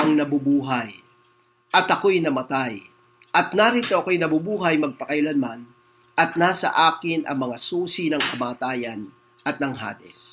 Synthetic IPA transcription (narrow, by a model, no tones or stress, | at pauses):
ɐŋnɐbubuːɦɐj | ʔɐt̪ɐkojnɐmɐt̪aj | ʔɐt̪̚naːɾit̪oɐkojnɐbubuːɦɐjmɐɡ̚pɐkɐjlɐnman | ʔɐt̪̚naːsɐ̰ʔaːkɪnʔɐ̰ŋmɐŋasuːsinɐŋkɐmaːt̪aːjɐn | ʔɐt̪̚nɐŋɦa̰ːd̪ɛ̰s